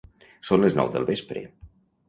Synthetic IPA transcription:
sonləznɔ̰wðəlˠβespɾə̰

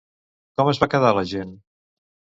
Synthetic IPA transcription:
kɔməzβakəðaləʒen

